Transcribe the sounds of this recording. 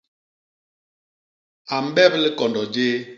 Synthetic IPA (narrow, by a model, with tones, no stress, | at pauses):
a˨m̩˦bɛ˦pli˦kɔ˨ndɔ˨d͡ʒeː˦